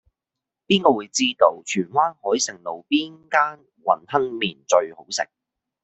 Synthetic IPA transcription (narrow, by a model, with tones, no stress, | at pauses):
piː˥nkɔː˧wuː˨˧jt͡siː˥t̪o˧wt͡ʃʰyː˨˩nwaː˥nhɔː˨˥jsɪ˨˩ŋlo˨˩wpiː˥nkaː˥n | wɐ̰˨˩nhɐ˥nmiː˨˩nt͡ʃɵ˧ɥho˨˥wsɪ̰˨˩ŋ̚